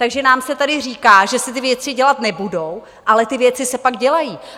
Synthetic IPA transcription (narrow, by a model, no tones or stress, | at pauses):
t̪aɡʒɛnaːmsɛt̪adɪr̝iːkaːʒɛsɪt̪ɪvjɛt͡sɪɟɛlat̪nɛbudo̞w | ʔalɛt̪ɪvjɛt͡sɪsɛpaɡɟɛlajiː